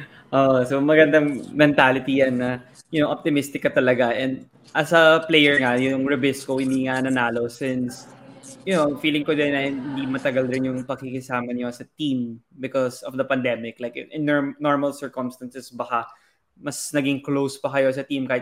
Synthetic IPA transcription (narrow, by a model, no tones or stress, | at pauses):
ʔoʔsomɐɡɐnd̪ɐŋmɛnt̪alɪt̪ijanːɐ | jʊnoʔɔp̚t̪ɪmɪst̪ɪkːɐt̪ɐlɐɡaʔɛnd̪̚ | ʔɐsɐplejɛɹŋajʊŋɹɪbɪskohɪnd̪iːŋanɐnaːlo̞sɪnsjʊnofiːlɪŋkod̪ɪnɐɪnhɪnd̪imɐt̪ɐɡalɾɪnjʊŋpɐɡ̚kɪkɪsaːmɐɲosɐt̪ĩmbɪkɔsɔfd̪ɐpɐnd̪ɛmɪklajkʔɪnnɔɹmɐlsɛɹkɔmst̪ɐnsɛsbɐka | mɐsnɐɡɪŋklowspɐkɐjo̞s̬ɐt̪imkaːhɪt̪̚